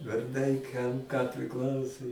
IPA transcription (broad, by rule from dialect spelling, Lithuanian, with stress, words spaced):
ʋɐrˈdɐɪ kɐm kɑː pʲrʲɪˈklˠɐʊsʊ